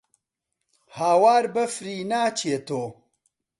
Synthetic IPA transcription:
haːwaːɾbɐfɾiːnaːt͡ʃʰet̪oː

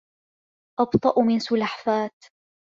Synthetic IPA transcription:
ʔɑbt̪ˤɑʔmɪnsʊlaħfaːt̪

